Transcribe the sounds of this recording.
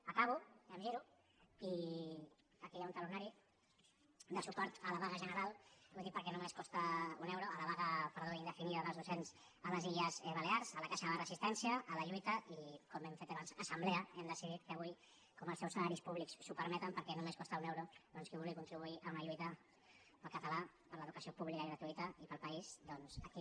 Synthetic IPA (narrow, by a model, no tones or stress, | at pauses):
əkaβuemʒiɾu | i | pəɾkejaunt̪alunaɾi | d̪əsupɔɾt̪əlaβaɣəʒənəɾalˠwud̪ipəɾkɛnumeskɔst̪əunewɾuələβaɣəpəɾðoind̪əfiniðəðəlˠzðusenz | ələziʎəzβəleaɾzəlɐkaʃəðələrəzist̪ɛnsiəʔːləʎuit̪əʔikɔmɛmfet̪aβansəsəmbleəɛmd̪əsiðit̪kəβuj | kɔməlˠsɛwsəlaɾispuβliksːupəɾmɛt̪əmpəɾkɛnumeskɔst̪aunewɾuðɔnskiβulˠɣikunt̪ɾiβuiʔəunɐʎuit̪ə | pəlˠkət̪əlapəɾləðukəsiopuβlikəiɣɾət̪uit̪əipəlˠpəizd̪ɔnz̥əki